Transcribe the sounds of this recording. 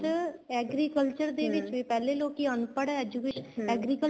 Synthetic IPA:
ɛːɡɾiːkəlt͡ʃəɾd̪eːʋɪt͡ʃʋiːpɛːleːloːkiənpəɽɛɛd͡ʒukeːʃɛːɡɾiːkə

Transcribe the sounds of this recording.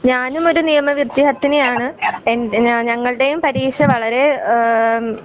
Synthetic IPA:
ɲaːnumo̞ɾunijɐmɐʋirt̪jiɦɐt̪ːinejaːɳɨenɲɐŋːɐɭɽe̞jumpɐɾiːʂɐʋɐɭɐɾe̞

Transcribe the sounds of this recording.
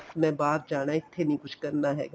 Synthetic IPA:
smɛ̃baːt̪̚d͡ʒaːɽ̃aɪt̪ʰːenɐĩkʊt͡ʃʰkɐɾnaɦɛ̰ːɡaː

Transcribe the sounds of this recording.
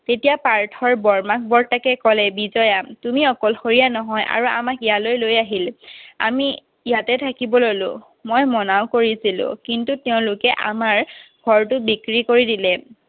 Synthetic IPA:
tetijapaɹtʰɔɹbɔɹmak̚bɔɹtakɛkɔlɛbizɔjatumiɔkɔlxoɹijanɔɦɔjʔa̰ɹua̰makijalojlojaɦila̰mi | ijatɛtʰakibɔlolo̰ | mojmɔnaʊkoɹisilʊ̰̃kintutɛʊ̃lʊkɛʔa̰maɹɡʱɔɹtʊbikɹikoɹidilɛ

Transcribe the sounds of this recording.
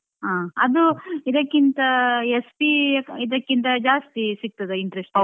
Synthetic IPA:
ɦaːɐd̪uid̪ɐkːint̪ɐespiid̪ɐkːint̪ɐd͡ʒaːst̪isik̚t̪ɐd̪eiɳʈɾesʈɐ

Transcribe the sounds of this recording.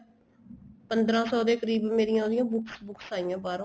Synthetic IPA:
pənd̪ɾãːsɔːd̪eːkəɾiːbmeːɾɪjãːd̪ɪjãːbʊksbʊksaːɪjãːbaːɾõ

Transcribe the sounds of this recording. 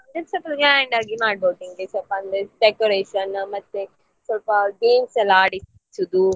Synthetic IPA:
ɐnd̪esɐpɐlɡeajɳɖaːɡimaːɖ̚boːʈ̪iŋɡesɔlpɐɐnd̪eɖekoɾeːʃɐnmɐt̪ːe | sɔlpɐɡeːmsɐlːaːɽi | sud̪u

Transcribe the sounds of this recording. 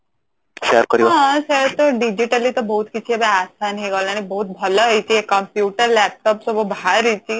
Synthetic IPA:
ʃeɾkəɾiɦãseɾt̪əɖid͡ʑiʈəlit̪əbəɦut̪kit͡ʃʰiəbeasanɦeɡalaɽ̃ibəɦut̪̚bʱələɦəjt͡ɕiekəmpjuːʈəɾlæp̚ʈɔːpsobəbʱaɾət͡ɕi

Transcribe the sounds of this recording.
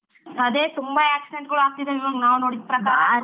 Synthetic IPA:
ɐd̪eːt̪umbɐaːksiɖeɳʈ̚ɡɐɭuaːɡ̚t̪id̪ɐiʋɐɡnaːʋnoːɽid̪̚pɾɐkaː

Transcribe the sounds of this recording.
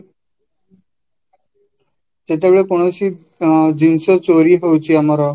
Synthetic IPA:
d͡ʑet̪aʋɭekoɽ̃əsi | d͡ʑinsət͡soɾiːɦəwt͡ɕiːamaɾa

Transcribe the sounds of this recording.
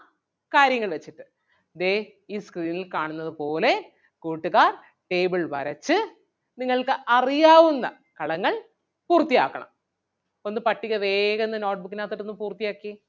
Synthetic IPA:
kaːɾjɐŋːɐɭʋet͡ɕːiʈːɨ̥ | d̪eː | iːskriːnilkaːɳunːɐðɨpo̞ːle̞ | kuːʈːuɣaːr | ʈe̞ːbɨɭʋɐ̰ɾɐt͡ɕːɨ | niŋːɐɭkɨʔɐrijaːʋunːɐ̰ | kɐɭɐŋːɐɭ | puːrt̪ːija̰ːkːɐɳɐ̰m | o̞nːɨpɐʈːiɣɐʋe̞ːɣɐenːɨno̞ːʈ̚bukːinaːt̪ːiʈːonːɨmpuːrt̪ijaːkːi

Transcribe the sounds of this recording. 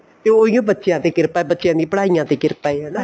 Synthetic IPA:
t̪eːoːijõːbətːʃjãːt̪eːkɪɾpaːbətːʃjãːd̪ĩːpəɽaːijãːt̪eːkɪɾpaːeɦɛːnaː

